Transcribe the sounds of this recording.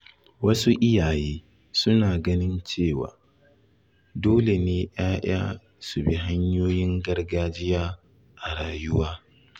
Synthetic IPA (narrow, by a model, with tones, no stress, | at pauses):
wɐ˦su˦ʔɪ˦jaː˨jeː˦ | sʊ˦naː˨ɡɐ˦nɪ˦nt͡ʃeː˦˨wa̰ː˨ | doː˦le˨neː˨j̰aː˦j̰a̰ː˦ | su˨bi˦ɦa˦ɲjoː˦jɪ˦ŋɡɐ˦rɡaː˦d͡ʒɪ˦jaː˦ | ʔa˨ɽaː˨jʊ˦waː˦